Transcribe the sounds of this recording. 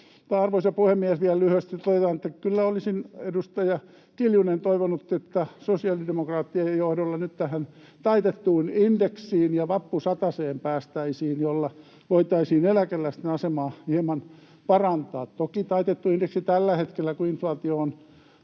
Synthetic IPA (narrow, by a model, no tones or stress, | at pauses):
t̪ɑɑrʋoisjɑpuhemːiæsʋiællyhøst̪it̪oðet̪ɑnet̪ːækylːæolisinedust̪ɑjɑ | kiljunent̪oiʋonut̪ːet̪ːæsosiɑlidemokrɑːt̪ːiɑjjohdolːɑnyt̪t̪æhæn | t̪ɑit̪et̪ːuːnindeksiːnjɑʋɑpːusɑt̪ɑseːmpæːst̪æisiːnjolːɑ | ʋoit̪ɑisiːnelækelːæsi̥t̪ːenɑsemɑːhihemɑn | pɑrɑnt̪ɑːt̪t̪okit̪ɑit̪et̪ːuindeksit̪ælːæhet̪kelːækuinflɑːt̪ioːn